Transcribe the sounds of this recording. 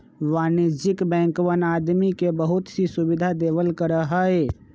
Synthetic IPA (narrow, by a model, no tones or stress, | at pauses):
ʋaːnɪd͡ʒɪkbɛ̃ːŋkwənaːd̪mikebəɦʊt̪sisʊbɪd̪ʱad̪eːwəlkəɾəɦəe